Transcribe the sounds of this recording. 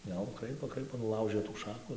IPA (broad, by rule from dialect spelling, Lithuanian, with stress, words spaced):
jɛʊ ˈkrɐɪpoː ˈkrɐɪpoː nʊˈlˠɐʊʒɘ tuː ˈʃɑːkʊ